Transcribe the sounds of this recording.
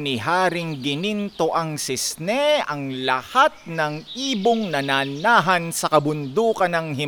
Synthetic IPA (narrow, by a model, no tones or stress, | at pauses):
nɪɦaːɾɪŋɡɪnint̪o̞ʔɐŋsɪsnɛɐŋlɐ̰hat̪̚nɐŋʔiːboŋnɐnanaːɦɐnsɐkɐbʊnd̪uːkɐnɐŋhɪ